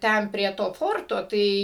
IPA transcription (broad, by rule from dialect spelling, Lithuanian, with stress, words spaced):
ˈtʲɛn pʲrʲiɛ ˈtoː ˈfoːrtoː ˈtɐɪ